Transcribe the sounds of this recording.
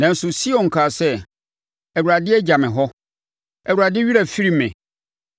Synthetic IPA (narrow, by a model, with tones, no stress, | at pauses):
nã˨n̩˦sʊ˨si˦ɔ̃˨ŋ̩˨kʰaː˨sɛ˦ | ɛ˨wu˨ɾa˨dɪ˦ɛ˦d͡ʑa˨mɪ̃˨ɦɔ˦ | ɛ˨wu˨ɾa˨dɪ˦ɥi˦ɾa˨fi˦ɾi˦mɪ̃˨